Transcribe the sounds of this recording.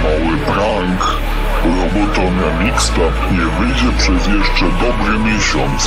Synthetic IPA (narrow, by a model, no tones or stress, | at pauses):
mawɘbɾaŋk | jɔbɔt̪ɔɲʲanʲikst̪apɲɛvɘjd͡ʑɛpʂɛzjɛʂt͡ʂɛd̪ɔbɾɘmʲjɛɕɔnt̪s